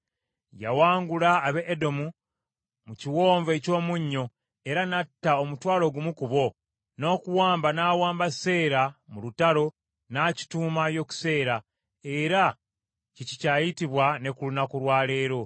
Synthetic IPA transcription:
ja̰waːŋɡulaːβeʔːdo̞mu | muciwo̞ːɱve̞co̞ːmuɲːo̞ | e̞ɾanatːao̞mutwaːlo̞ɡumukuβo̞ | no̞ːkuwaːmbanaːwaːmbase̞ːɾamulutaɾo̞ | naːci̥tuːmajo̞ku̥se̞ːɾa | eɾa | cicicaːjitiβwane̞kulunakuɾwaːle̞ːɾo̞

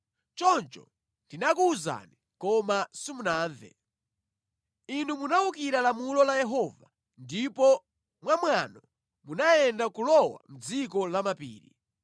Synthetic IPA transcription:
t͡ʃɔnt͡ʃɔ̰ | ndinakuːza̰ni | kɔmasimunaːndɛ̰ | inumunaukiɾalamulɔlajɛɦɔva | ndipɔ | mwamwanɔ | munajɛndakulɔwa̰m̩d͡zikɔlamapḭːɾḭ

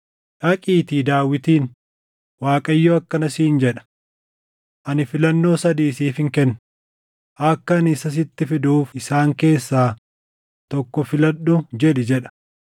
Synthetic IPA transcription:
ᶑɐkʼiːt̪iːd̪aːwːɪt̪iːn | waːkʼɐjːoːɐkːɐnɐsiːnd͡ʒɛᶑɐ̥ | ʔɐnɪfɪlɐnːo̞ːsɐd̪iːsiːfɪŋkɛnː | ʔɐkːɐːnɪsɐs̬ɪt̪ːɪfɪd̪uːfɪsaːŋke̞ːsːaː | t̪ɔkːɔfɪlɐɗʊd͡ʒɛᶑɪd͡ʒɛᶑɐ̥

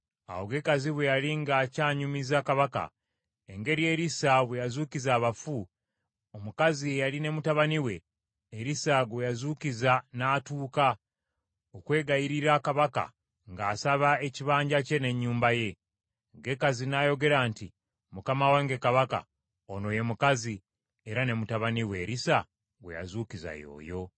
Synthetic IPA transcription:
a̰wo̞ɡe̞kaziβwejaliŋɡaːcaːɲumizakaβaka̰ | eŋɡe̞ɾije̞ːɾisaβwejazuːcizaːβafu | omukaziejaline̞mutaβaniwe̞ː | ɾisaɡwejazuːcizanaːtuːka | okwe̞ːɡajiɾiɾakaβaka̰ | ŋɡaːsaβae̞ciβaːɲɟace̞ne̞ɲːuːmbaje̞ | ɡe̞kazinajo̞ɡe̞ɾaːnti | mukamawaŋɡe̞kaβaka̰ | ono̞je̞mukazi | eɾane̞mutaβaniwe̞ɾisa | ɡwḛja̰zuːciza̰jo̞̰ːjo̞

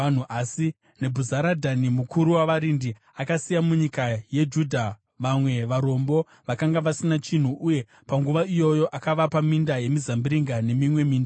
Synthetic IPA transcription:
an̤uʔasi | ne̞bʱuzaɾadʱanimukʰuɾuwaʋaɾindi | akasijamuɲikaje̞d͡ʒudʱa | ʋamwe̞ʋaɾo̞mbo̞ | ʋakaŋɡaʋasinat͡ʃin̤uʔuje̞ | paŋɡuʋaijo̞jo̞ʔakaʋapamindaje̞mizambiɾiŋɡane̞mimwe̞miːnda

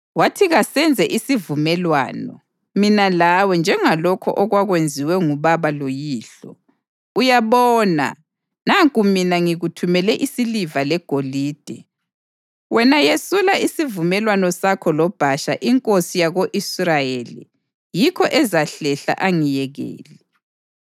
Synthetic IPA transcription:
watʰiɣasɛnd͡zʱɛʔisivumɛlwa̰ːnɔ̰ | minalawɛnd͡ʒʱɛŋalɔkʰɔ̰ʔɔɣwaɣwend͡zʱiwɛŋuβaβalojiːɬɔ | ujaβɔːna̰ | naŋkʼuminaŋiɣutʰumɛlɛʔisilivalɛɡ̥ʱoliːd̥ʱɛ | wɛnajesulaisivumɛlwanɔsakʰɔlɔb̥ʱaʃa̰ʔiŋkʼosijaɣoʔisrajelḭ | jikʰɔʔɛzaɬɛɬa̰ʔaŋijɛɣḛːli

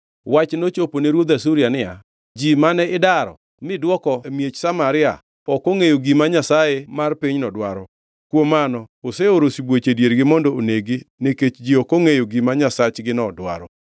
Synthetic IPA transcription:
wat͡ʃnot͡ʃoponeɾwod̪asuɾjanɪja̰ | d͡ʒimanɛɪdaɾɔ̰ | mɪdwɔkɔmjet͡ʃsamaɾɪa̰ | ɔkoŋejoɡimaɲasajemarpiɲnɔdwaɾɔ | kwomːanɔoseoɾosibwot͡ʃedjeɾɡɪmɔndɔoneɡɪneket͡ʃd͡ʒiokoŋejoɡimaɲasat͡ʃɡɪnɔdwa̰ɾɔ

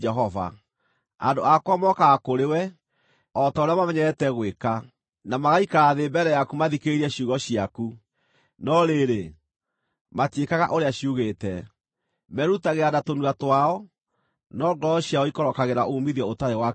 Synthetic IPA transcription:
d͡ʒɛɦɔva̰ | a̰ndoakwamɔkaɣakoɾewɛ | ɔtaoɾeamamɛɲɛɾɛtɛɣweka | namaɣaikaɾaðeːbɛɾɛjakumaðikeɾiɛɕuɣɔɕiaku | nɔɾeɾe | matekaɣa̰ʔoɾeaɕiuɣeːtɛ | mɛɾutaɣeadatonuatwaɔ | nɔɡɔɕiaɔikɔɾɔkaɣeɾaʔomiðiɔotaɾewa

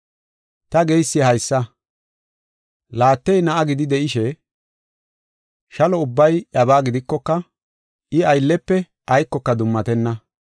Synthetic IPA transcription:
t̪ɐɡejsːɪhɐjsːɐ | laːt̪ːɛjnɐʔɐɡɪd̪ɪd̪ɛʔɪʃɛ | ʃɐlɔʊbːɐjʔɐbaːɡɪd̪ɪkːɔkːɐ | ʔɪɐjlːɛpːɛ | ʔɐjkːɔkːɐd̪ʊmːɐt̪ɛnːɐ

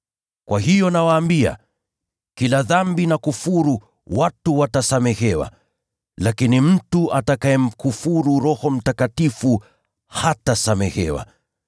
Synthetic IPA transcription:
kwahijɔnawaːmbia̰ | kilaðambinakufuɾu | watuwatasamɛhɛwa̰ | lakinim̩tuʔatakaɛm̩kufuɾuɾɔhɔm̩takatifu | hatasamɛhɛ̰wa̰

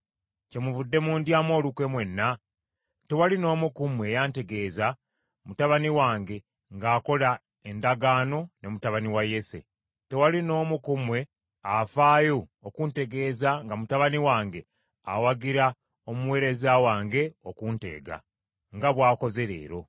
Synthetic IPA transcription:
ce̞muvudːe̞muːndjaːmwo̞ːlukwe̞mwe̞nːa | te̞walino̞ːmukumwe̞jaːnte̞ɡe̞ːza | mutaβaniwaːŋɡe̞ | ŋɡaːko̞la | e̞ndaɡaːno̞ne̞mutaβaniwaje̞se̞̰ | te̞walino̞ːmukumwe̞ | afaːjoːkunte̞ɡe̞ːzaŋɡamutaβaniwaːŋɡe̞ | a̰waɡiɾa | omuwe̞ːɾe̞zawaːŋɡe̞okunte̞̰ːɡa̰ | ŋɡaβwaːko̞ze̞ɾe̞̰ːɾo̞

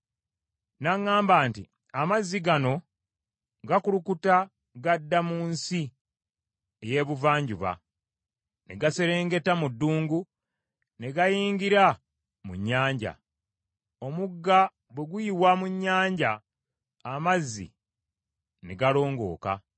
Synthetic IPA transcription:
naŋːaːmbaːnti | amazːiɡano̞ | ɡakulukuta | ɡadːamuːnsi | e̞je̞ːβuvaːɲɟuβa̰ | ne̞ɡase̞ɾe̞ːŋɡe̞tamudːuːŋɡu | ne̞ɡajiːŋɡiɾa | mṵɲːaːɲɟa̰ | o̞muɡːa | bwe̞ɡujiβwamuɲːaːɲɟaː | mazːḭ | neɡalo̞ːŋɡo̞̰ːka̰

